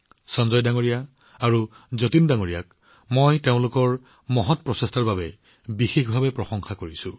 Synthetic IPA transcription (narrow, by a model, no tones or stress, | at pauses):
sɔnzɔjdaŋoɹija | aɹu | zotindaŋoɹija̰k̚ | mojteʊ̃lʊkɔɹ | mɔɦɔt̚pɹɔsestʰaɹbabɛ | bixexbʱabɛpɹɔsɔŋxakoɹisʊ̃